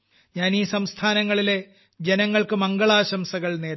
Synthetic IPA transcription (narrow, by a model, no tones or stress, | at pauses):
ɲaːniːsɐmst̪ʰaːnɐŋːɐɭile̞ | d͡ʑenɐŋːɐɭkɨmɐŋɡɐɭaːɕɐmsɐɣɐɭne̞ː